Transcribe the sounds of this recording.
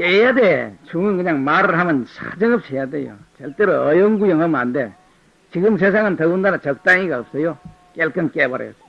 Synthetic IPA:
kejadet͡ʃʰuŋɯŋɡɯɲaŋmaɾɦamɯnsʰa̰d͡ʒɯŋɯp̚sʰejadejo̰t͡ɕeltɯɾɯʌjɯŋɡujʌŋɯmande | t͡ɕiɡɯms̬ʰesʰaŋɯntʰʌɡundanat͡ʃʌk̚t͈aŋiɡaɯp̚sɯjo | kelkɯŋkebaɾ̰ja̰s

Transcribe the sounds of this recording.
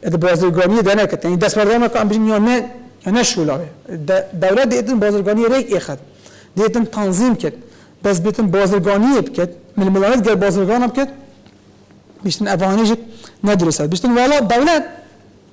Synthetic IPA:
d̪ɨbɑːzɨɾɡɑːnijed̪ɛnɛkʰɛt̪jɑːnid̪ɛst̪bæɾd̪ɑːɾnɑkoɛmbiʒinjɑːnɛjɑːnɛʃulɑ̰ːwɛd̪d̪ɛwlɛt̪̚d̪eeːt̪̬ɨnbɑːzɨɾɡɑːnijeɾekeːxɛt̪̚ | d̪eeːt̪ɨnt̪ʰɑnzimkʲʰɪɾt̪ | bɛs̬̚bit̪ɨnbɑːzɨɾɡɑːnijebɨkʰʲɛt̪̚mɨlmɨlɑːnɛd̪̚ɡʲɛɾbɑːzɨɾɡɑːnɑbɨkʰʲɛt̪̚ | biʃt̪ɨnɛvɑɛːneʒinɛd̪uɾusɛd̪biʃt̪ɨnwɑːlɑːd̪ɛwlɛt̪̚

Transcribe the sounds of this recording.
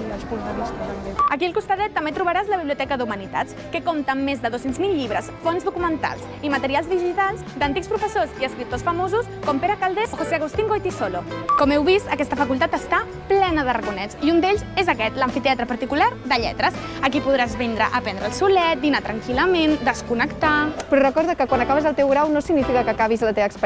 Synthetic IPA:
əskult̪anist̪ət̪əmeəkiəlˠkust̪aðɛt̪ːəmbet̪ɾuβəɾazləβiβliut̪ɛkəðumənit̪a̰t͡s | kəkomt̪əmːezðəðosenzmilˠʎiβ̞ɾəsfonzðukumənt̪a̰lˠs | imət̪əɾialˠzðiʒit̪alˠzd̪ənt̪ikspɾufəsoziəskɾip̚t̪osfəmozuskɔmpeɾəkalˠd̪esxoseaɣ̞ust̪iŋɡojt̪isolokɔmɛwβist̪əkɛst̪əfəkulˠt̪at̪əst̪a | plɛnəð̞ərəkunɛsiund̪eʎzezəkɛt̪ləɱfit̪eat̪ɾəpɐɾt̪ikulaɾd̪əʎɛ̰t̪ɾəsəkipuðɾazβɛnd̪ɾə̰ʔəpɛnd̪ɾəːlˠsulɛt̪̚d̪inat̪ɾəŋkiləmend̪əskunəkt̪apɾɔrəkɔɾðəkəkwanɐkaβəzəlˠt̪ewɣɾawnosiɡnifikəkəkaβizlət̪eβəksp

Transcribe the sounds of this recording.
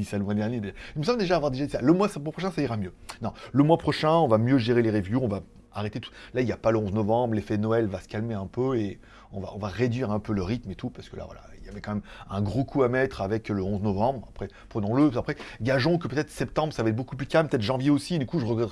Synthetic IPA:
isaləmwɛ̃d̪ɛʁnjed̪eailməsɑ̃bld̪eʒaːvwaʁd̪eʒad̪isaləmwasmwapχɔʃ̬ɛ̃saiʁamjønɔ̃ləmwapχɔʃɛ̃ɔ̃vamjøʒeʁeleʁevjuɔ̃va | aʁet̪et̪u̥lailjapaləɔ̃znɔvɑ̃bʁlefɛd̪ənɔɛlvasə̥kalmeɛ̃pøe | ɔ̃va̰ɔ̰̃vaʁed̪ɥiʁɛ̃pøləʁit̪met̪upaʁsə̥kəla̰vwa̰la̰ḭljavɛkɑ̃mɛmɛ̃ɡʁokʰuamɛt̪χavɛkləɔ̃znɔvɑ̃bʁapχɛ | pχənɔ̃ləapχɛɡaʒɔ̃kəpøt̪ɛt̪χsɛp̚t̪ɑ̃bʁəsavaɛt̪̚bokup̬lykampøt̪ɛt̪χʒɑ̃vjeosid̪ykuʒəʁəɡʁɛt̪ʁ

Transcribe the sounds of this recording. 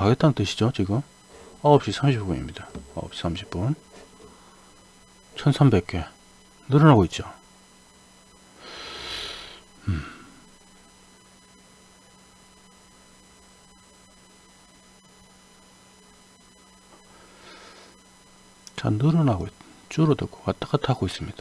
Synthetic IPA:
kaɡet͈ʰanntɯɕʰid͡ʑot͡ɕiɡɯm | ʌʌp̚ɕ͈isʰamɕʰippunḭmɲid̥aʌ̰ʌ̰p̚ɕi̥sʰamɕʰi̥p̚p͈un | t͡ɕʰʌnsʰambe̞k̚k͈e̞ | nɯɾʌnaɡoit̚t͡ɕ͈o | t͡ɕʰa̰nɯɾɯnaɡoit̪̚t͡ɕuɾot̪eko̥kat̪ʰḁkʰat̪ʰakois͈ɯmɲid̪̥ḁ

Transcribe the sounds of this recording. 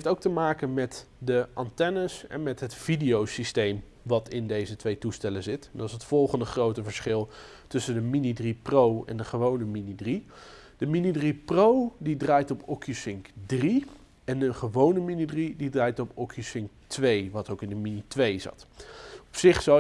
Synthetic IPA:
ftowk̚təmaːkənmɛtdəʔɑntɛnəsɛ̰nmɛtɦətfidijowsistejm | ʋɑtɪndejzətʋejtustɛləzɪtɛndɑnɪsətfɔlˠχəndəχrowtəvəɹsχɪlˠ | tɵsəndəminidriprowɛ̰ndəχəʋownəminidri | d̥əminidriprowdidraːjtɔpɔkjusɪŋkdri | ɛnənχəʋownəminidrididraːjtɔpɔkʰjusɪŋktʋejʋɑtowkɪndəminitʋejzɑ̰tɔpsɪχsɑ

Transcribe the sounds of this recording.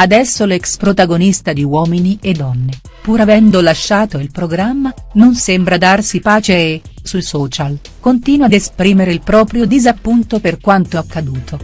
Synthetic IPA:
ad̪ɛsːolɛkspɾot̪aɡonist̪ad̪iwɔːminied̪ːɔnːe | puɾavɛnd̪olaʃːaːt̪oilpɾoɡɾamːanonsembɾad̪arsipaːt͡ʃeːsujsɔːt͡ʃal | kont̪iːnwad̪espɾiːmeɾeilpɾɔːpɾjod̪izapːunt̪operkwant̪oakːad̪uːt̪ʰo

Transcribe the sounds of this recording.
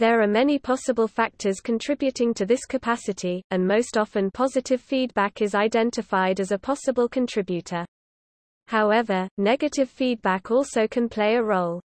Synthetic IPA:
ðəɹəmɛnipʰɒsəbəlˠfak̚tʰəz̥kʰə̃ntʰɹ̥ɪbjʉtɪ̃ŋtʰəðɪskʰəpʰasɪtʰiə̃nməʊstɒfə̃npʰɒzɪtʰɪv̥fiːd̚bakɪzaɪdɛ̃ntɪfaɪdəzəpʰɒsəbəlˠkʰə̃ntʰɹ̥ɪbjʉtʰə | haʊɛvənɛɡətʰɪv̥fiːd̚bakʰɔˑlˠsəʊkʰə̃npʰl̥eɪəɹoʊlˠ

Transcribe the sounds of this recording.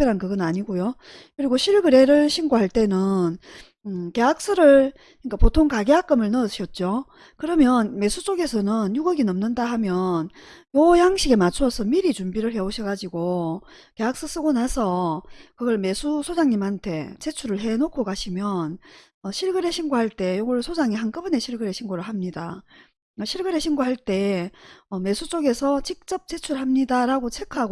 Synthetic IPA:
eɾankɯɡʌnaɲiɡojo | kɯɾiɡoɕʰiɭɡɯɾe̞ɾɯɭɕʰimɡoɦaɭt͈e̞nɯn | ɯke̞ak̚s͈ɯɾɯɭ | ik͈apotʰoŋkaɡeak͈ɯmɯɭnɯɕʰʌt̚t͡ɕ͈o | kɯɾʌmjʌnme̞sʰut͡ɕ͈oɡe̞sʰʌnɯnjuɡʌɡinʌmnɯndaɦamjʌnjojaŋɕʰiɡe̞mat͡ɕʰuʌsʰʌmiɾit͡ɕumbiɾɯɭhe̞oɕʰʌɡad͡ʑiɡo | keak̚s͈ɯs͈ɯɡonasʰʌkɯɡʌɭme̞sʰusʰod͡ʑaŋɲimɦantʰe̞t͡ɕe̞t͡ɕʰuɾɯɭɦe̞nokʰokaɕʰimjʌn | ʌɕʰiɭɡɯɾe̞ɕʰinɡoɦaɭt͈e̞joɡʌɭsʰod͡ʑaŋeɦank͈ɯbɯne̞ɕʰiɭɡɯɾe̞ɕʰinɡoɾɯɭɦamɲida̰ | ʌɕʰiɭɡɯɾe̞ɕʰinɡoɦaɭt͈e̞ | ʌme̞sʰut͡ɕ͈oɡe̞sʰʌt͡ɕik̚t͡ɕ͈ʌp̚t͡ɕ͈e̞t͡ɕʰuɭɦamɲidaɾaɡot͡ɕʰe̞kʰaɡo

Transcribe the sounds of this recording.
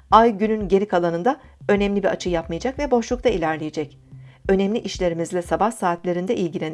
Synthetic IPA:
ajɟynynɟe̞ɾikʰalˠanɯnd̪a | ø̞nɛmlʲibiat͡ʃʰɯjapmajad͡ʒakvɛbo̞ʃlˠukt̪ʰailʲæɾlʲejed͡ʒɛc | ø̞nɛmlʲiʔiʃlʲe̞ɾimizlʲɛsabahsaːt̪lʲe̞ɾind̪ɛʔilʲɟilʲen

